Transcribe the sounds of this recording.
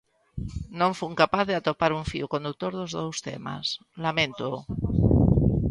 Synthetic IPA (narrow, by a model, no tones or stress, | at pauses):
nõɱfuŋkapaθðeat̪opaɾuɱfḭukond̪uk̚t̪oɾðozðowst̪ḛma̰s | lamẽnt̪o